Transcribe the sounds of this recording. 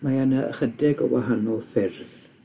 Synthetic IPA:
maanə̰χədɪɡə̰wa̰ɦanɔlˠfɪrθ

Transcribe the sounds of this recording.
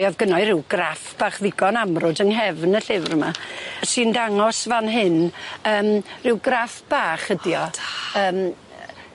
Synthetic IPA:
jɔðɡənɔɨɾɪwɡ̥rafb̥aːχðɪɡɔnamrʊdəŋɦɛvnəɬɪvrmasɨndaŋɔsvanɦɪnəːmrɪwɡrafb̥aːχədjɔəːm

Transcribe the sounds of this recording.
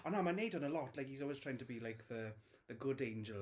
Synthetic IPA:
ə̃namaɪneɪdə̃nəlɔtlaɪkhizɔlwɪztʰɹ̥aɪ̃ŋtʰəbilaɪkðə | ðəɡʊdẽɪ̃nd͡ʒəl

